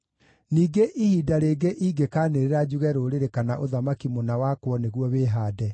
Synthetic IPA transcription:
niːɡeʔihiːdaɾeːɡeʔiɡekaːneɾeɾad͡ʑuɣɛɾoɾeɾekanaʔoðamakimonawakwɔneɣwɔβeːɦaːdɛ

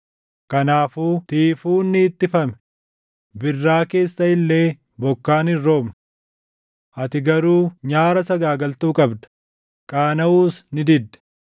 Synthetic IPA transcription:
kɐnaːfuːt̪iːfuːnːɪːt̪ːɪfɐmɛ̥ | bɪrːaːke̞ːsːɐɪlːe̞ː | bɔkːaːnɪrːo̞ːmnɐ | ʔɐt̪ɪɡɐɾuːɲaːɾɐsɐɡaːɡɐlt̪uːkʼɐbd̪ɐ̥ | kʼaːnɐuːsnɪd̪ɪd̪ːɛ̥

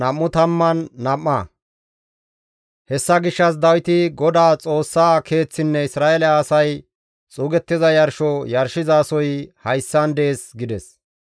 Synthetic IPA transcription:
nɐmːʊt̪ɐmːɐnːɐmːɐ | hɛsːɐɡɪʃːɐs̬d̪ɐwɪt̪ɪɡɔd̪aːt͡sʼo̞ːsːaːkʰe̞ːt͡sːɪnːɛɪsɾaːelɛaːsɐj | t͡sʼuːɡɛt̪ːɪzɐjɐɾʃɔjɐɾʃɪzaːsɔjhɐjsːɐnd̪eːsɡɪd̪ɛs

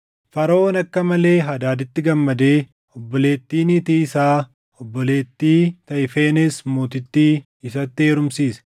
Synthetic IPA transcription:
fɐɾɐoːnɐkːɐmɐle̞ːɦɐd̪aːd̪ɪt̪ːɪɡɐmːɐd̪e̞ː | ɔbːɔle̞ːt̪ːiːnit̪iɪsaː | ɔbːɔle̞ːt̪ːiːt̪ɐʔɪfeːnɛsmoːt̪ɪt̪ːiː | ɪsɐt̪ːɪe̞ːɾʊmsiːsɛ̥

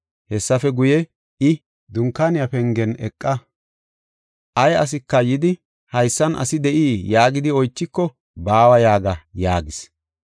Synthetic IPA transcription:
hɛsːɐfɛɡʊjɛ | ɪ | d̪ʊŋkːaːnɪjɐpɛŋɡɛnɛkʼːɐ | ʔɐjɐs̬ɪkːɐjɪd̪ɪ | hɐjsːɐnʔɐ̰sɪd̪ɛʔiːjaːɡɪd̪ɪɔjt͡ʃːɪkːɔ | baːwɐjaːɡɐja̰ːɡɪs

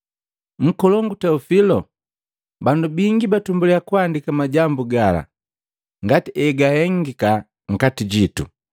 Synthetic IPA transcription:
ŋ̩kɔlɔŋɡutɛufilɔ | bandubiŋɡibatumbuliakuandikamaɟambuɡala̰ | ŋɡatiɛɡahɛŋɡika | ŋ̩katiɟitṵ

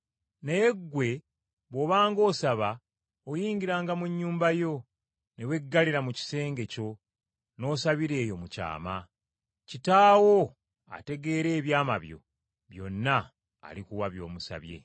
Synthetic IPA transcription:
nejeɡːwe̞ | βwo̞βaːŋɡo̞ːsaβa | ojiːɲɟiɾaːŋɡamuɲːuːmbajo̞ | newe̞ɡːaliɾamuci̥se̞ːŋɡe̞co̞ | no̞ːsaβiɾe̞ːjo̞muca̰ːma | citaːwo | a̰te̞ɡe̞ːɾe̞ːβjaːma̰βjo̞̰ | βjo̞̰nːa̰ː | likuwaβjo̞̰ːmusa̰βje̞̰

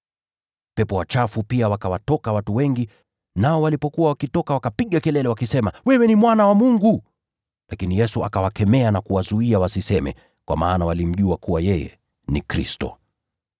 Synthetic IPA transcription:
pɛpɔwat͡ʃafupiawakawatɔkawatuwɛŋɡi | naɔwalipɔkuwawakitɔkawakapiɠakɛlɛlɛwakisɛmawɛwɛnimwanawamuŋɡu | lʔakinijɛsuakawakɛmɛanakuwazuiawasisɛmɛ̰ | kwa̰maːnawalim̩ʄuakuwajɛjɛ̰ | nḭkɾḭstɔ̰

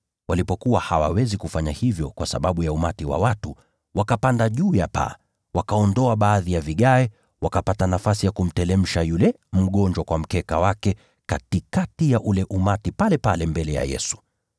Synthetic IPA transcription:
walipɔkuwahawawɛzikufaɲahivjɔkwasa̰ɓaɓujaumatiwa̰watu | wakapandaʄuːjapa̰ | wakaɔndɔaɓaːðijaviɠaɛ | wakapatanafasijakum̩tɛlɛm̩ʃajulɛ | m̩ɠɔɲd͡ʒwakwam̩kɛkawakɛ | katikatijaʔulɛʔumatipalɛpalɛmbɛlɛja̰jɛ̰su̥

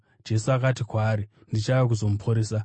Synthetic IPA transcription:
d͡ʒe̞suakat̬ikwaːɾi | ndit͡ʃajak̬uzo̞mupʰoɾeːsa

